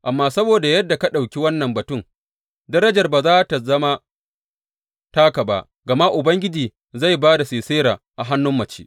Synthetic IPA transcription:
ʔa˨mːaː˦sɐ˦boː˨da˨jɐ˦dːa˨ka˦ɗa˨wkʲi˦wɐ˦nːɐ˨mbɐ˨tʊ˦˨ŋ | dɐ˦ɾɐ˦d͡ʒɐ˨rbaː˨zaː˦ta˨zɐ˦ma˦ | taː˦ka˨ba˦ʔ | ɡɐ˨ma˦ʔʊ˨bɐ˦ŋɡʲɪ˦d͡ʒiː˨ | za˦˨jbaː˦da˨seː˨seː˦ɾaː˨ | ʔa˨ɦa˦nːʊ˦mːɐ˨t͡ʃeː˦ʔ

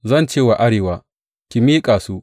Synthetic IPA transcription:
zɐ˦˨nt͡ʃeː˦˨wa˨ʔa˦ɽeː˨waː˦ | kʲi˨miː˦kʼaː˨su˦

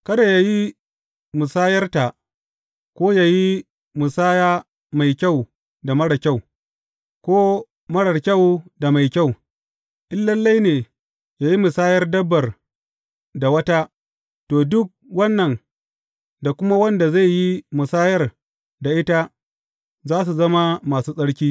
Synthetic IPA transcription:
kɐ˦da˨ja˦ji˦ | mʊ˨saː˦jɐ˦rta˨ʔ | kʷoː˦ja˨ji˦ | mʊ˨saː˦jaː˦ | ma˨jkʲa˦˨w | da˨mɐ˦ɽa˨kʲa˦˨w | kʷoː˦ | mɐ˦ɽɐ˨rkʲa˦˨wda˨ma˨jkʲa˦˨w | ʔɪ˦lːɐ˦lːa˦jneː˨ | jaː˨ji˦mʊ˨saː˦jɐ˦rdɐ˦bːɐ˨r | da˨wɐ˦ta˦ | toː˨dʊ˦k̚wɐ˦nːɐ˨n | da˨kʷʊ˦ma˦wɐ˦nda˨za˦˨jːi˦mʊ˨saː˦jɐ˦r | da˨ʔɪ˦ta˦ | zaː˦s̬u˨zɐ˦ma˦maː˨suː˦sʼɐ˦ɽkʲiː˦

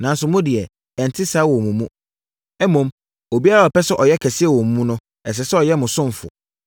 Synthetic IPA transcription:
nã˨n˦sʊ˨mʊ̃˦dɪ˨ɛ˨ | ɛ̃˨n˨tʰɪ˦saː˨˦wɔ̃˨mũ˨mũ˦ | ɛ˦mõ˨m | o˨bi˦a˦ɾa˨ɔ˨pɛ˦sʊ˦ʔɔ˨jɛ˦kʰɛ˨sɪ˦ɛ˦˨wɔ̃˨mũ˨mũ˦nʊ̃˦ | ɛ˨s̬ɛ˨sɛ˦ɔ˨jɛ˦mʊ̃˨sʊ̃˦ɱ˨fʊ̰˨

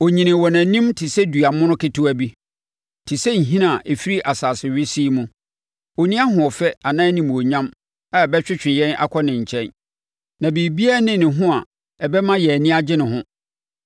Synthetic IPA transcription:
o˨ɲĩ˨nɪ̃˨wɔ˨næ̃˨nĩ˦mtʰɪ˨sɛ˦du˨a˨mʊ̃˦nʊ̃˦kʰɪ˦tʰʊ˦æ˨bi˦ | tʰi˨sɛ˦ɲ̩˨ɦĩ˦nã˦˨ʔe˨fi˦ɾi˦ʔa˨saː˨sɪ˨ɥɪ˦si˦mũ˦ | o˨nĩ˦a˦ɦʊ̃˨ɔ˨fɛ˦a˨nã˦nĩ˨m˨o˨ɲã˦m | a˨ɛ˨bɛ˦t͡ɕᶣɪ˦t͡ɕᶣɪ̃˨jɛ̃˦nʔa̰˦kʰɔ˦nɪ̃˨ɲ̩˨t͡ɕʰɛ̃˦n | nã˨biː˨bi˦a˦nɪ̃˨nɪ̃˨ɦʊ̃˦a˨ | ɛ˨bɛ˦mã˦jɛ˨æ˨nĩ˦a˦d͡ʑɪ˦nɪ̃˨ɦʊ̃˦

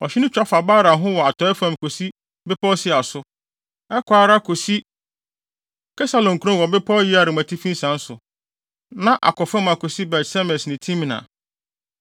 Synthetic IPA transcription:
ɔ˨ɕᶣɪ˦nʊ̃˦t͡ɕᶣa˦fa˨baː˦ɾa˨ɦʊ̃˦wɔ˨a˨tʰɔ˨˦ɛ˦fã˨m˨kʰo˨si˦ | bɪ˦pʰɔ˦sɪ˦a˨sʊ˦ | ɛ˦kʷʰa˨ɾa˦kʰo˨si˦ | kʰɛ˦sa˨lɔ̃˨ŋ̩˨kʰu˦ɾɔ̃˦wɔ˨bɪ˦pʰɔ˦jɪ˦a˨ɾɪ˨mã˨tʰi˦fĩ˦n˦sã˨n̩˦sʊ˨ | nã˦ʔa̰˨kʰɔ˨fɛ˦mã˨kʰo˨si˦bɛ˨tsɛ˦mɛ̃˨snɪ̃˨tʰĩ˦m˨nã̰˨

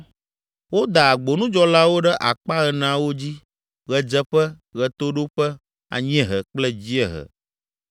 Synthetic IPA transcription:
wo˦d̪a˨a˨ɡ͡bo˨nũ˦d͡ʒɔ˦la˦wo˦ɖɛ˦ʔa˨k͡pa˦ɣɛ˨nã˨wo˦d͡ʑi˦ | ɣɛ˨d͡ʒɛ˦ɸɛ˦ | ɣɛ˨t̪o˦ɖo˦ɸɛ˦ | a̰˨ɲĩ˦ɛ˦ɦɛ˨k͡plɛ˦d͡ʑi˦ɛ˨ɦə̰˨

